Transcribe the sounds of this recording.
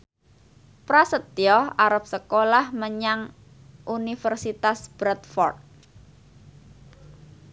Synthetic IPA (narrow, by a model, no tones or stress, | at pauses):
pɾasət̪jɔaɾap̚səkolahməɲaŋ | ʔunifərsit̪asb̥ɾat̪̚fɔrt̪̚